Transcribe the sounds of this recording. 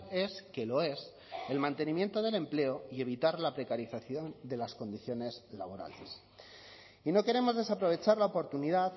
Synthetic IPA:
e̞ske̞lo̞e̞s | e̞lmãnt̪e̞nĩmje̞nt̪o̞ð̞e̞le̞mple̞oie̞β̞it̪aɾlapɾe̞kaɾiθaθjo̞nd̪e̞lasko̞nd̪iθjo̞ne̞zla̰β̞o̞ɾa̰les | ino̞ke̞ɾe̞mo̞zðe̞sapɾo̞β̞e̞t͡ʃaɾlaopo̞ɾt̪uniðað

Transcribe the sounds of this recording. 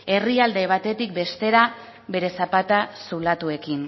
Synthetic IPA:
e̞riald̪e̞β̞at̪e̞t̪ik̚be̞st̪e̞ɾa | βe̞ɾe̞sapat̪asulat̪ue̞kin

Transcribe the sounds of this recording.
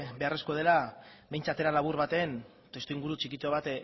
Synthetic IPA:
be̞are̞sko̞ð̞e̞labe̞jnt͡sat̪e̞ɾalaβ̞uɾβat̪e̞ːn | t̪e̞st̪uiŋɡuɾut͡ʃikit̪oβ̞at̪

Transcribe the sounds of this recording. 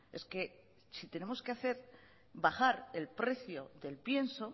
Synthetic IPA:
e̞ske̞ | sit̪e̞ne̞mo̞skeaθe̞ɾ | baχaɾe̞lpɾe̞θjo̞ðe̞lpje̞nso̞

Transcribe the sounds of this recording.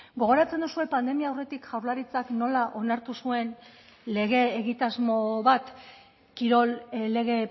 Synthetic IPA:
ɡo̞ɣ̞o̞ɾat͡send̪usue̞pand̪e̞miaːwre̞t̪ikʝawɾlaɾit͡sakno̞laʔo̞naɾt̪usue̞n | le̞ɣ̞e̞ːɣit̪azmo̞βat̪ | kiɾo̞lle̞ɣe̞

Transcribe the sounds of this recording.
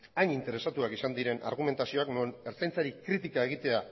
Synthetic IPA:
ajɲint̪e̞ɾe̞sat̪uakisand̪iɾe̞nʔa̰ɾɣ̞ume̞nt̪asio̞aknoeneɾt͡sajnt͡saɾikɾit̪ikae̞ɣ̞it̪e̞a

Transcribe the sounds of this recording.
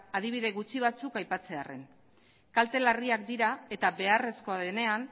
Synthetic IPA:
að̞iβ̞iðe̞ɣut͡siβ̞at͡sukajpat͡se̞are̞̰n | kalt̪e̞lariak̚d̪iɾae̞t̪aβe̞are̞sko̞aðene̞an

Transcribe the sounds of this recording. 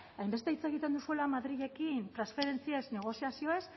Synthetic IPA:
ajmbe̞st̪e̞it͡se̞ɣ̞it̪e̞nd̪usue̞lamaðɾiʝe̞kint̪ɾansfe̞ɾe̞nt͡sie̞sne̞ɣ̞o̞siasio̞e̞s

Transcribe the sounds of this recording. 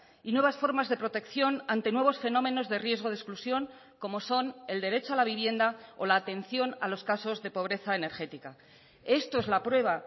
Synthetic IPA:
inwe̞β̞asfo̞ɾmazðe̞pɾo̞t̪e̞kθjo̞nant̪e̞nwe̞β̞o̞sfe̞no̞mẽ̞no̞zðe̞rje̞zɣo̞ðesklusjo̞ŋ | ko̞mo̞so̞ne̞ld̪e̞ɾe̞t͡ʃoalaβiβje̞nd̪ao̞laːt̪e̞n̟θjo̞nalo̞skaso̞zðe̞po̞β̞ɾe̞θaene̞ɾxe̞t̪ika | e̞st̪oe̞zlapɾwe̞β̞a

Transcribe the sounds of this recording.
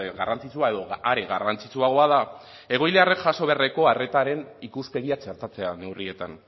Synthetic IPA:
ɣarʔant͡sit͡suae̞ðo̞aɾeɣa̰rant͡sit͡suaɣ̞o̞aða | e̞ɣ̞o̞jle̞are̞kʝaso̞β̞ere̞ko̞are̞t̪aɾe̞nikuspe̞ɣiat͡ʃe̞ɾt̪at͡se̞ane̞wrie̞t̪an

